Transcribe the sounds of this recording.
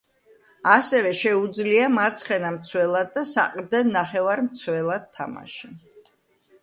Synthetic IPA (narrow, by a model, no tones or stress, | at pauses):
asɛvɛʃɛud̪zliamaɾt̪sʰχɛnamt̪sʰwɛlˠad̪̚ːasa̰qʼɾd̪ɛnaχɛvaɾmt̪sʰwɛlˠad̪̚t̪ʰːa̰ma̰ʃi